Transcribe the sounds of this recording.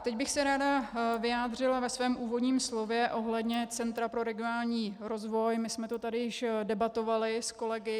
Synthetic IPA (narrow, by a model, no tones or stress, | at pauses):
t̪ɛɟbɪxsɛɾaːdavɪjaːd̪r̝ɪlavɛsvɛːmʔuːvo̞dɲiːmslo̞vjɛʔo̞ɦlɛdɲɛt͡sɛnt̪ɾapɾo̞ɾɛɡɪonaːlɲiːɾo̞zvo̞jmɪsmɛt̪o̞t̪adɪjɪʃdɛbat̪o̞valɪsko̞lɛɡɪ